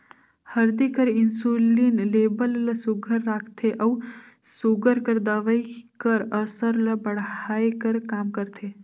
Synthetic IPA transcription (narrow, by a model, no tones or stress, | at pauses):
həɾd̪ikəɾɪnsulinleːbəllɐsuɡʱəɾːaːkʰt̪ʰeʔɐwsuɡəɾkəɾd̪ɐʋəjkəɾəsəɾlɐbɐɽaːjkəɾkaːmkəɾt̪ʰe